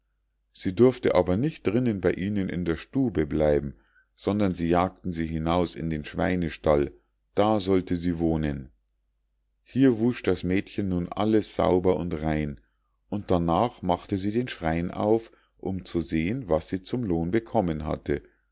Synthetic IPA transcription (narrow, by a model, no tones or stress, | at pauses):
z̥iːdʏɐftəʔaːbɐnɪçt̚d̥ʁɪnənbaɪʔiːnənʔɪ̰ndeːɐʃtuːbəblaɪbm̩ | z̥ɔndɐnziːjaːk̚tn̩ziːɦɪnaʊsɪ̰ndeːnʃv̥aɪnəʃtal | d̥aːzɔltəziːvoːnən | hiːɐvʊʃd̥asmɛːtçənːuːnʔa̰ləsz̥a̰ʊbɐʊ̰ntʁaɪn | ʔʊnt̚d̥anaːχmaχtəziːdeːnʃʁ̥aɪnʔa̰ʊf | ʔʊmt͡suzeːənvasz̥iːt͡sʊmloːnbəkʰɔmənɦa̰tʰə